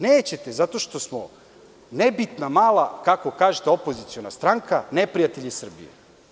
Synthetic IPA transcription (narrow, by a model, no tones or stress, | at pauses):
neːt͡ɕe̞t̪ezat̪o̞ʃt̪o̞smo | nebit̪namaːlˠakako̞kaːʒet̪eopozit̪sio̞nast̪ɾaŋkanepɾijat̪e̞ʎisr̩bḭjḛ